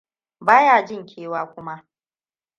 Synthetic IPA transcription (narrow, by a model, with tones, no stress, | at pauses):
baː˦jaː˨d͡ʒɪ˦ŋkʲʰeː˦waː˦kʷʊ˦ma˦ʔ